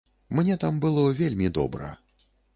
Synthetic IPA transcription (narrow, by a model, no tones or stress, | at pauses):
mnʲɛt̪ambɨlˠɔvʲelʲmʲid̪ɔ̰bɾɐ̰